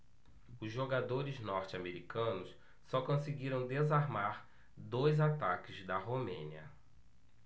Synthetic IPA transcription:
ʊzʒoɡad̪oɾɪznɔɾt͡ʃɪameɾikɐ̃nʊs | sɔkõsiɡiɾɐ̃w̃d̪ezaɾmaɾ | d̪ojzat̪akɪzd̪ɐɦomḛ̃niɐ̰

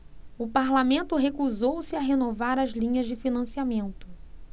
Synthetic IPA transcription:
ʊpaɾlamẽnt̪ʊɦekuzowsɪaɦenovaɾɐzlĩɲɐzd͡ʒɪfinɐ̃siamẽnt̪ʊ

